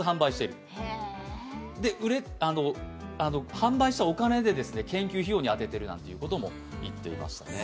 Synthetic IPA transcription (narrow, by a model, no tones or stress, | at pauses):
ɦãmbaiɕi̥t̪e̞ɾɯ̟ | d̪e̞ʔɯ̟ɾe̞ano̞ano̞hãmbaiɕi̥t̪ao̞kane̞d̪e̞d̪e̞sɨne̞kẽ̞ŋkʲɨːçijo̞ɲ̟iat̪e̞t̪e̞ɾɯ̟nã̰nt̪e̞iɯ̟ko̞t̪o̞mo̞̰ | it̪ːe̞̰ḭma̰ɕi̥t̪a̰ne̞